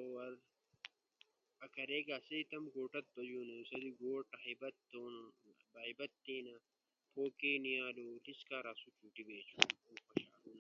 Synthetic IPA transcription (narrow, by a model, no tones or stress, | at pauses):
oɐɾ | ɐkɐɾeːɡaːseit̪ɐmɡoːʈɐt̪̚bɐjuːnusɐliɡoːʈɐɦibɐt̪ːoːnbɐɦibɐt̪ːĩːnɐ | pʰoːkeːnijaːloːliskaːɾaːsut͡ʃuːʈibeːt͡ʃʰuuːxɐɕaːluːnɐ